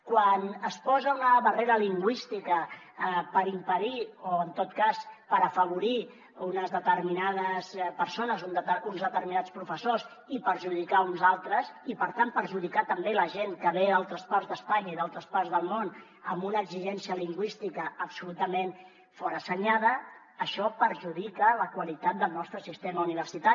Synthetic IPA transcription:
kwanəspɔzəunəβəreɾəliŋɡwist̪ikə | pəɾimpəðioənt̪ot̪kaspəɾəfəβ̞uɾi | unəzðət̪əɾminaðəspəɾsonəzund̪unzðət̪əɾminat͡spɾufəsos | ipəɾʒuð̞ikaunzalˠt̪ɾəsipəɾt̪ampəɾʒuð̞ikat̪əmbeləʒeŋkəβealˠt̪ɾəsparzðəspaɲəiðalˠt̪ɾəspaɾzðəlˠmon | əmbunəːɡziʒɛnsiəliŋɡwist̪ikəːpsulut̪əmẽn | fɔɾəsəɲað̞əː | ʃɔpəɾʒuð̞ikələkwəlit̪at̪̚d̪əlˠnɔst̪ɾəsist̪eməuniβ̞əɾsit̪a

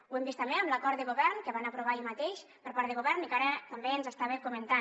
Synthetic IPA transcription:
wembist̪ambeəmləkɔɾt̪d̪əɣuβɛɾnkəβanapɾuβ̞aiʎmat̪eʃ | pəɾpaɾt̪əɣuβɛɾnikaɾət̪ambeːnzəst̪aβekumənt̪a

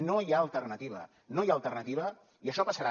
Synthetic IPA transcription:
nojaəlˠt̪ərnət̪iβə̰ | nojaːlˠt̪ərnət̪iβə | iəʃɔpəsəɾa

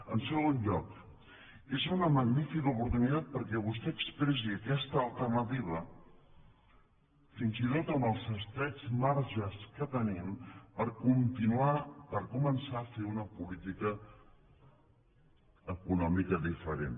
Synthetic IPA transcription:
ənsəɣonʎɔk | ezunəməɡnifikəupuɾt̪unit̪at̪̚pəɾkɛβ̞ust̪ɛəkspɾɛʃ̬iəkɛst̪əːlˠt̪ərnət̪iβ̞ə | finzit̪ot̪əməlˠzəst̪ɾɛd͡zmaɾʒəskət̪ənimpəɾkunt̪inuapəɾkumənsafeunəpulit̪ikə | kunɔmikəðifəɾḛn

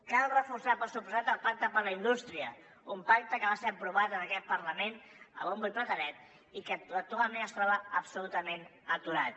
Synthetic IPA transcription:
kalˠrəfursapəsupuzat̪əlˠpak̚t̪əpəɾləind̪ust̪ɾiə | umpak̚t̪əkəβaseəpɾuβ̞at̪ənəkɛt̪̚pəɾləmen | ə̰βumbulpɾət̪ənɛt̪̚ | ikəət̪ualmeəst̪ɾɔβəːpsulut̪əmenət̪uɾat̪

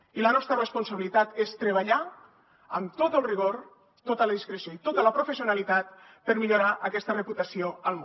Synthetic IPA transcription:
ilənɔst̪ɾərəspunsəβilit̪at̪est̪ɾəβaʎa | əmt̪ot̪əlˠriɣ̞oɾ | t̪ot̪ələðiskɾesioit̪ot̪ələpɾufesiunalit̪at̪̚ | pəɾmiʎuɾaʔəkɛst̪ərəput̪əsioəlˠm

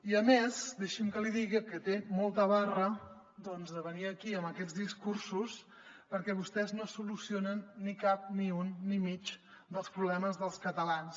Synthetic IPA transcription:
iəmezd̪eʃimkəliðiɣikət̪emɔlˠt̪əβarə | d̪ɔnzðəβəniəkiəməkɛd͡zðiskuɾsus | pəɾkɛβust̪ɛznosulusionənːikap̚niunːimit͡ʃ | d̪əlˠspɾuβlɛməzðəlˠskət̪əlans

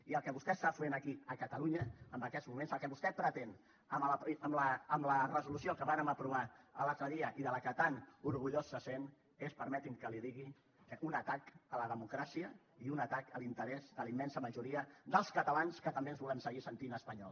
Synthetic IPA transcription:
iəlˠkɛβust̪ɛst̪afenəkiəkət̪əluɲəːmbəkɛd̪zmumensəlˠkɛβust̪ɛpɾət̪en | əmlpəmləːmlərəzulusiokəβanəməpɾuβ̞aə̰lat̪ɾəðiəʔiðələkət̪anuɾɣuʎosːəsen | espəɾmɛt̪imkəliðiɣi | unət̪akələðəmukɾasiə | iunət̪akəlint̪əɾɛzd̪əlimːɛnsəməʒuɾiəd̪əlˠskət̪əlanskət̪əmbeənzβulənsəɣisənt̪inəspəɲɔlˠ

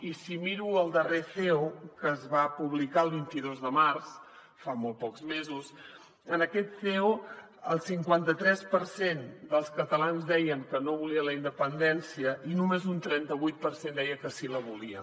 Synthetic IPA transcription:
isimiɾuəlˠd̪əreθeokəzβapuβlikaəlˠβint̪iðozðəmars | famolˠt̪pɔkzmezus | ənəkɛt̪θeo | əlˠsiŋkwant̪ət̪ɾɛspəɾsend̪əlˠskət̪əlanzd̪ɛjəŋkənoβuliələind̪əpənd̪ɛnsiəʔinumezunt̪ɾɛnt̪əβujt̪̚pəɾsend̪ɛjəkəsiləβuliə

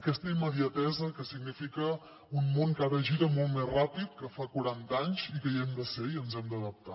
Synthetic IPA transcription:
əkɛst̪əiməðiət̪ɛzəkəsiɡnifikə | unmoŋkaɾəʒiɾəmolˠt̪mezrapit̪̚kəfakuɾant̪aɲzikəiɛmd̪əseiənzɛmd̪əðəp̚t̪a

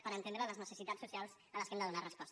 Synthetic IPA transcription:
pəɾənt̪ẽnd̪ɾələznəsəsit̪asːusialˠz | ələskemnd̪əðunarəspɔs

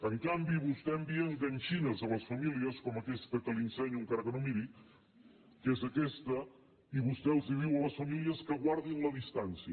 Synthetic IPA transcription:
əŋkambiβust̪ɛəmbiəŋɡənʲʃinəzələsfəmiliəskɔməkɛst̪əkəlinsɛɲuŋkaɾəkənomiɾi | kezəkɛst̪ə | iβust̪ɛlˠziðiwələsfəmiliəskəɣwaɾðinləðist̪ansiə

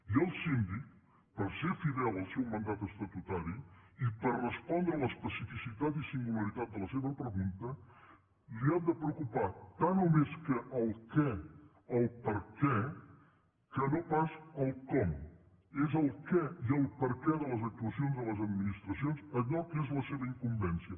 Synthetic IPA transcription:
iəlˠsind̪ik | pəɾsefiðɛlˠəlˠsɛwmənd̪at̪əst̪ət̪ut̪aɾiipəɾrəspɔnd̪ɾəələspəsifisit̪at̪isiŋɡuləɾit̪at̪̚d̪ələseβəpɾəɣunt̪ə | liamd̪əpɾəwkupat̪anomeskəʔəlˠkɛ | əlˠpəɾkɛ | kənopasəlˠkɔm | ezəlˠkɛiəlˠpəɾkɛðələzək̚t̪uəsionzðələzəd̪minist̪ɾəsionzəʎɔkezləseβəiŋkumbɛnsiə

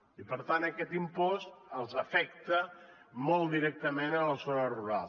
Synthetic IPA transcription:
ipəɾt̪anəkɛt̪impɔst̪əlˠzəfɛkt̪ə | mɔlˠd̪iɾɛk̚t̪əmenələzonəruɾal

